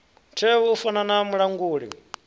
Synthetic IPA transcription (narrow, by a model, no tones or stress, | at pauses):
ntʰɛβuufananamuɺaŋɡuːɺḭ